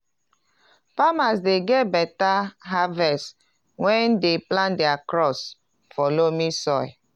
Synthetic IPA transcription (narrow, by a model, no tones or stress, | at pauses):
pamasdeɡɛt̚bɛtaɦavɛst | wɛ̃ndeplãndɛakɹɔs | fɔlomisɔj